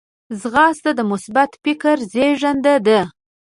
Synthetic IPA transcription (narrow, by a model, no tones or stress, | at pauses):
zɣɑst̪ad̪əmʊsbat̪fɪkəɾzeʒand̪ad̪ə